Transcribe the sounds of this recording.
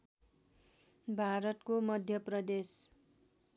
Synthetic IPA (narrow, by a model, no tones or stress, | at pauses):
bʱaɾʌt̪komʌd̪ʱjʌprʌd̪es